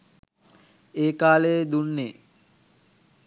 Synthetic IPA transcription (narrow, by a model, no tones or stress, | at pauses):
eːkaːleed̪unːe